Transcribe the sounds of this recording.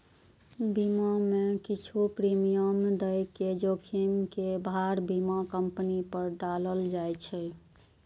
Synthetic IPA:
bimamekit͡ʃʰupɾimijəmd̪əjked͡ʒokʰimkebaɾbimakəmpnipəɾɖaləld͡ʒajt͡ʃʰɛ

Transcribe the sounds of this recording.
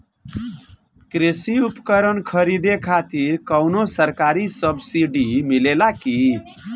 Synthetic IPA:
kɾesiupkəɾənkʰəɾid̪ekʰat̪iɾkʌwnosəɾkaɾisʌbsiɖimilelaki

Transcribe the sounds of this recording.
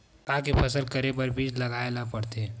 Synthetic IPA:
kaːkipʰɐsəlkɐɾepɐɾbʱiːd͡ʒlɐɡaːelapɐɽt̪e

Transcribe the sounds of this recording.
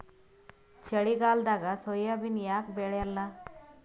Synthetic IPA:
t͡ʃʰəɽiɡaːld̪aɡasɔjabinjakbeɽjalːa

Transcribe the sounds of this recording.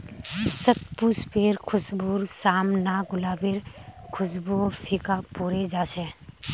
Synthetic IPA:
sət̪̚puspeːɾkʰʊsbuːɾsaːmnaɡʊlaːbɪɾkʰʊsbopʰɪkapuːɾed͡ʒaːsɛ̃ː

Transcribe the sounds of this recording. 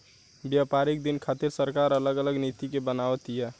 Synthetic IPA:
bjapaɾik̚d̪inkʰat̪iɾsəɾkaɾələɡələɡnit̪ikebənaʋət̪ijɛ

